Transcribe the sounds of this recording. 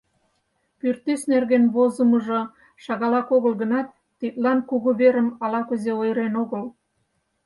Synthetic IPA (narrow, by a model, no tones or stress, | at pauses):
pyrt̪esnerɣenβozə̆məʒo | ʃɑɣɑlɑkoɣəlɣə̆nɑt̪ːit̪lɑnkuɣuβeɾəmɑlɑkuzeojəɾenoɣəl